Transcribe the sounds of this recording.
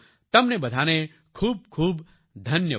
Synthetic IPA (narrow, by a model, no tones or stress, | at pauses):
t̪ɐmnebɐd̪ʱaːne | kʰuːb̚kʰuːb | d̪ʱɐnjə